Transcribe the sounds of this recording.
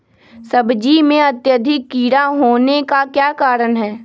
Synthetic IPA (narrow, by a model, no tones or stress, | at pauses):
sɐbd͡ʒimẽɐt̪jəd̪ʱɪkːiːɽaɦoːnekakjaːkaːɾəɳɦɛː